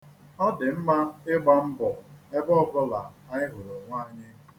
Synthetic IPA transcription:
ɔ˦dɪ˨m̩˦ma˦ɪ˦ɡ͡ba˦m̩˦bɔ˨e˦bɔ˦bɔ˦la̰˨a˨ɲɪ˦ɦʊ˨ɾo˨ŋʷa˦ɲɪ˦

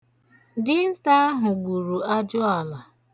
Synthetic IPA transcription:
dɪ˦n̩˦ta˦ɦʊ˨ɡ͡bu˨ɾu˨a˦d͡ʒʊ˦a˨la˨

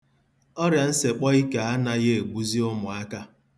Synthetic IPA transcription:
ɔ˦ɾja˨n̩˦se˨k͡pɔ˦i˦ka˨a˦na˦ɣe˦e˨ɡ͡bu˦zi˦ʊ˦mʊ˨a˦ka˦

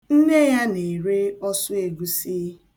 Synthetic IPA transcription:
n̩˦ne˦ja˦ne˨ɾe˦ɔ˦sʊ˦e˨ɡu˦siː˦

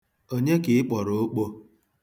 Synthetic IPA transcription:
o˦ɲe˦kɪ˨ɪ˦k͡pɔ˨ɾo˨o˦k͡po˦

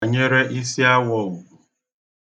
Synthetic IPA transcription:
ɲe˦ɾe˦ʔi˦si˦a˦wɔ˦˨wu˨

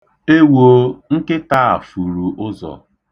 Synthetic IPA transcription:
e˦wo˦ŋ̩˦kɪ˦ta˦˨a̰˨fu˨ɾu˨ʔʊ˦zɔ̰˨

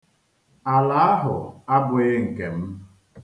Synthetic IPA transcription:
a˨la˦a˦ɦʊ˨a˦bʊ˨ɣɪ˦ŋ̩˨ke˨m̩˦

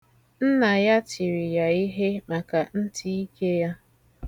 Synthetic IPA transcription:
n̩˦na˨ja˦ti˨ɾi˨ja˨i˦ɦe˦ma˨ka˨n̩˦tʰi˦i˦ke˦ja˦

